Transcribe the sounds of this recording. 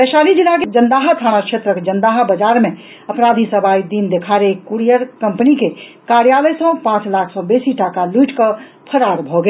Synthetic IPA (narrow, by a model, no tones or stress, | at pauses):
b̪ɛʃalid͡ʒilːaked͡ʒənd̪aɦat̪ʰaɽ̃akʃʰet̪ɾəked͡ʒənd̪aɦabəd͡ʒaɾmẽ | əpɾad̪ʱisəbʱaid̪ind̪ekʰaɾeekːuɾijəɾkəmpənike | kaɾjaləjsə̃pãt͡ʃlakʰsɔ̃besiʈakaluiʈkə | pʰəɾaɾbʱɔɡe